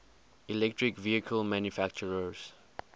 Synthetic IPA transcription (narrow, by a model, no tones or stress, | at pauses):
ilɛk̚tɹikviəkʰəlmãnjufak̚t͡ʃəɹəz̥